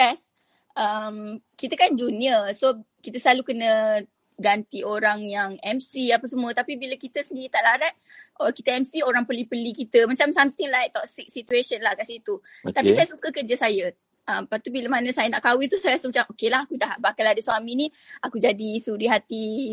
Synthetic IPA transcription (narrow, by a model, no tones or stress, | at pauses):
ɛs | ʔəmkit̪əkand͡ʒuniəso | kit̪əslalukənə | ɡant̪ioɾaŋjaŋɛmsiapəsəmuət̪apibiləkit̪əsəndiɾit̪aʔlaɾat̪̚ʔɔkit̪əɛmsioɾaŋpəlipəlikit̪əmat͡ʃamsamt̪ɪŋlait̪ɔksik̚sit̪ueʃənlahɡasiit̪u | t̪apisajəsukəkərd͡ʒəsajə | ʔəmpat̪ubiləmanə̃sajənaʔkawit̪usajsəmət͡ʃaŋʔokelaɦakudaɦbakaladəswaminiakud͡ʒadisuɾiɦat̪i